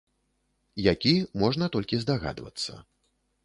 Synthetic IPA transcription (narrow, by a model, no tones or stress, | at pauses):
jakʲimɔʐnɐt̪ɔlʲkʲizd̪aɣa̰d̪vɐ̰t̪sːɐ̰